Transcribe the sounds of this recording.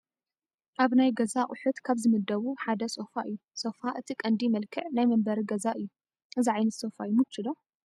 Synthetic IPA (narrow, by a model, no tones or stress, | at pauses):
ʔaβnajɡɐzaʔʼʊħut̪kʰaβzɨmɨd̪ːɐβuħad̪ɐsʼofaʔɨjːusʼofaʔɨt̪ʰikʼɐnd̪imɐlkʰɨʕnajmɐmbɐɾiɡɐzaʔɨjːu | ʔɨziʕajnɐt̪sʼo̞fajumut͡ʃːɨlo